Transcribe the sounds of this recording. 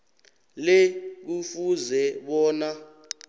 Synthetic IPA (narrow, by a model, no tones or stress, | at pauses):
lek̬ufuzɛɓɔːna